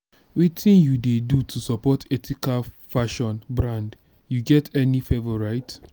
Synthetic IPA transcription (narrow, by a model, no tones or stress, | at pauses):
witʰĩnjudedutʰusɔpɔtʰɛtʰikal | faʃɔ̃nbɹãnd | juɡɛtʰɛnifɛvɔɹaɪt